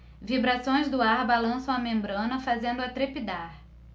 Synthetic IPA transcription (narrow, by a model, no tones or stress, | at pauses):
vibɾasõj̃zd̪ʊaɾbalɐ̃sɐ̃w̃ɐmẽmbɾɐ̃nɐfazẽnd̪ʊat̪ɾepid̪aɾ